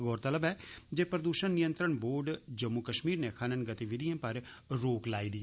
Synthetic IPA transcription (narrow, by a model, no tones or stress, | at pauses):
ɡɔːɾt̪ələbɛːd͡ʒeːpɾəd̪uːʃənːɪjənt̪ɾəɳboːɾɖd͡ʒəmːʊkəʃmiːɾneːkʰaːnənɡət̪iʋɪd̪ijãːpəɾɾoːklaːiːd̪i